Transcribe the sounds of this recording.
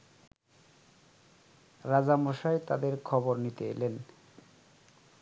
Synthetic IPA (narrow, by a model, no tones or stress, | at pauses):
ɾad͡ʑamoʃaet̪a̰d̪eɾkʰɔboɾnit̪eḛlen